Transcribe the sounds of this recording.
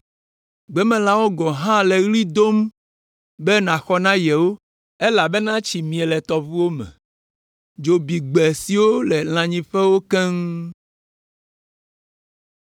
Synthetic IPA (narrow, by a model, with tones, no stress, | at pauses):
ɡ͡bɛ˦mɛ̃˨la˦wo˦ɡɔ˨ɦã˦lɛ˨ɣli˦d̪o˦m | bɛ˦nã˨xɔ˦nã˦jɛ˨wo˦ | e˦la˨be˦nã˦t͡ɕi˨mĩ˨ɛ˨lɛ˨t̪ɔ˨vu˦wo˦mɛ̰̃˨ | d͡ʒo˨bi˨ɡ͡bɛ˨si˨wo˦lɛ˨l̃ã˨ɲĩ˦ɸɛ˦wo˦kɛ˦ŋ